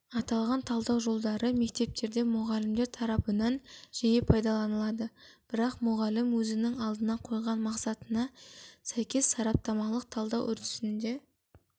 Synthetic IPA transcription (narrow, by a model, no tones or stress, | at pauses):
ɑt̪ɑlˠʁɑnt̪ʰɑlˠd̪ɑwʒo̞lˠd̪ɑɾəme̞k̚t̪e̞p̚t̪e̞ɾd̪e̞mʊʁɑlɪmd̪eɾt̪ʰɑɾɑpənɑnʒ̥ijepʰɑjd̪ɑlˠɑnəlˠɑd̪əb̥ɪɾɑqmʊʁɑlɪmwɵzɪnɪŋɑlˠd̪ənɑqʰo̞jˠʁɑnmɑqsɑt̪ənɑsæjkʲe̞sːɑɾɑp̚t̪ɑmɑlˠəq̚t̪ʰɑlˠd̪ɑwʔʏɾt̪ʏ̥sɪnd̪e̞